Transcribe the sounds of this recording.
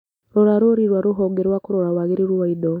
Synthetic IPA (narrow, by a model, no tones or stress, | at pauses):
ɾoɾaɾoɾiɾwaɾuɦoŋɡeɾwakuɾoɾawaɣiɾiɾuwaido